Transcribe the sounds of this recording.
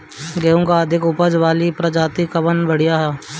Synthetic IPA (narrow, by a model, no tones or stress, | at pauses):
ɡɐɦũːɡaəd̪ʱɪkʊpəd͡ʒʋaːlipɾɐd͡ʒaːt̪ikɐbənbəɽ̤ijaɦɛː